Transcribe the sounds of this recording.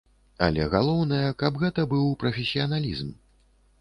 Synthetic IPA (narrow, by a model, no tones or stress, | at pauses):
ɐ̰lʲɛɣalˠɔwnɐjɐkabɣɛt̪ɐbɨwpɾɐfʲesʲːiɐnalʲizm